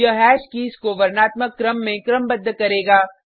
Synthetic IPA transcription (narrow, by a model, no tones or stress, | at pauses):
əɦɛːʃkiːskoʋɐɾnaːt̪məkːɾəmːẽkɾəmbɐd̪ʱːəkɐɾeːɡaː